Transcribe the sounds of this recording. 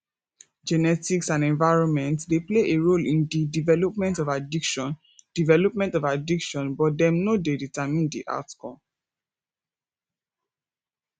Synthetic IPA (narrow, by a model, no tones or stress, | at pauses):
d͡ʒɛnɛtiksãnɛ̃ɱvaɪɹɔ̃nmɛ̃ntdepleʔeɹolĩndidivɛlɔpmɛ̃ntɔvadikʃɔ̃n | d̥ivɛlɔp̚mɛ̃ntɔvadikʃɔ̃nbɔt̚dɛ̃mnodeditamĩndḭʔa̰tkʰɔ̰̃